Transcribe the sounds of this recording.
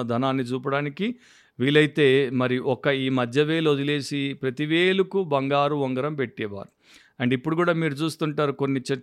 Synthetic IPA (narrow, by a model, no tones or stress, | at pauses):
ɐd̪ʱɐnaːnːit͡ʃuːp̬ɐɽaːniki | ʋiːlɐjit̪e̞ːmɐɾiuʔɔkɐiːmɐd̪ʱjɐʋe̞ːlod̪ile̞ːsipɾɐt̪iʋeːlukubɐŋɡaːɾuʋɔŋɡɐɾɐmpe̞ʈːɛːʋa̰ːɾu | ɐɳɖipːuɽukuːɽaːmiːɾut͡ʃuːst̪uɳʈaːɾuko̞nːit͡ʃe